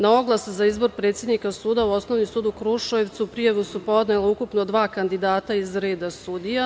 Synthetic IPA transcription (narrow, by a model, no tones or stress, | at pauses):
nao̞ɡlˠasuzaizbo̞ɾpɾet̪sje̞d̪nikasuːd̪auo̞sno̞ʋnimsuːd̪ukɾuʃojeʋt̪suupɾijaʋusupo̞d̪ne̞laukupnod̪ʋaːkand̪id̪aːt̪aizɾe̞ːd̪asud̪ija